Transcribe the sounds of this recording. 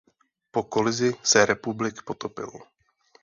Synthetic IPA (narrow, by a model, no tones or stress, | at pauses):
po̞kolɪzɪsɛɾɛpublɪkpot̪opɪ̰l